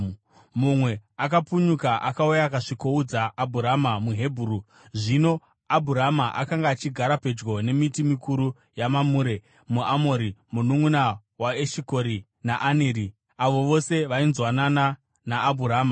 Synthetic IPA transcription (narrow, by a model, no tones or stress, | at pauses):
mumwe̞akapuɲukaʔakaujakaʂiko̞ud͡zaːbʱuɾamamuɦe̞bʱuru | ʐino̞ | abʱuɾamaʔakaŋɡaːt͡ʃiɡʱaɾape̞d͡ʒɡo̞ne̞mitimikuɾu | jamamuːɾe̞ | muamoɾimunuŋuna | waeʃiko̞ɾi | naʔaneɾi | aʋo̞ʋo̞se̞ʋainzwanana | naːbʱuɾaːma